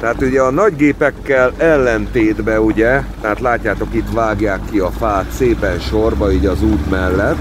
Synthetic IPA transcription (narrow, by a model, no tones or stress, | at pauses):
t̪ɛɦaːt̪uɟɛɒnɒɟɡeːpɛkːɛlɛlːɛnt̪eːd̪bɛuɟɛt̪ɛɦat̪laːcːaːt̪o̞kit̪ʋaːɡjaːkːiɒfaːt̪seːpɛnʃorvɒiːɟɒzuːt̪mɛlːɛt̪ː